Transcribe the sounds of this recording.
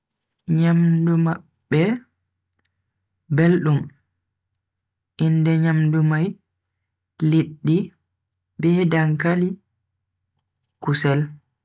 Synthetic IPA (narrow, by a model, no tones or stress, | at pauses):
ɲamdumaɓːɛ | belɗum | ʔindɛɲamdumaj | liɗːi | bɛdaŋkali | kusɛl